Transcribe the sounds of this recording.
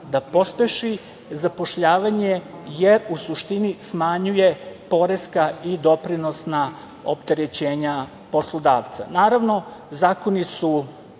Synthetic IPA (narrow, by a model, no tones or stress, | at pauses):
d̪apo̞speʃi | zapo̞ʃʎaːʋaɲe̞je̞ɾusuʃt̪inismaɲujepo̞ɾe̞skaid̪o̞pɾino̞sna | o̰pt̪e̞ɾet͡ɕe̞ːɲa | po̞slˠo̞d̪aːʋt̪sa̰naːɾaʋno̞zaːko̞nisu